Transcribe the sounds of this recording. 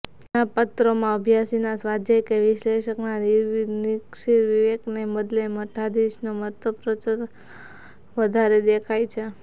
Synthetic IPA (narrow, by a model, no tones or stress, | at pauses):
napət̪ɾomãəbʱjasinasʋad͡ʒ̪jekeʋɪʃleʃəknaniɾnikʃiɾʋiʋekneməd̪leməʈʰad̪iʃnoməɾt̪ʰəpɾət͡ʃəɾ | ʋəd̪ʱaɾed̪ekʰajt͡ʃʰe